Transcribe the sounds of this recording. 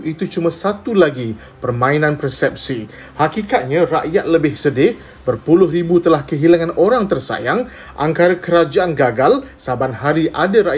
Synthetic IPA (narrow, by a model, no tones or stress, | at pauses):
it̪ut͡ʃumãsat̪ulaɡi | pərmãinãnpɾəsɛp̚si | hakikat̪̚ɲãraʔjat̪̚ləbɪhsədɪ | bərpulʊɦribut̪əlahkəɦilaŋãnʔoɾaŋt̪ərsa̰jaŋ | ʔa̰ŋkaɾakəɾad͡ʒaʔanɡaɡalsabanhaɾiʔadaɾaʔ